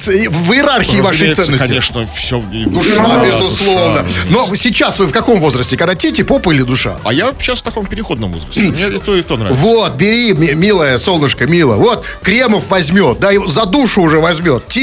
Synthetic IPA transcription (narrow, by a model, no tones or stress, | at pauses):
vɨjɪɾarxʲɪːvaʂɨj̪ɛnːəsʲtɪeʂnəfsʲovʲd̪ʊʂubʲɪzʊslˠovnəno̞sʲɪt͡ɕːasvɨfkɐko̞mvo̞zɾəsʲtʲɪkɐɡd̪atʲetʲɪpopɨlʲɪd̪ʊʂa̰ɐ̰jaɕasft̪ɐkompʲɪɾʲɪxo̞d̪nəmvozɾəs̩ʲmnʲeɪt̪oɪt̪onɾa̰vot̪̚bʲɪɾʲimʲmʲilˠəjəsolˠnəʂkəmʲilˠə̰vo̞t̪ | kɾʲe̞məfvɐzʲmʲot̪̚d̪aɪzɐd̪uʂʊːʐɛvɐzʲmʲo̞t̪tʲi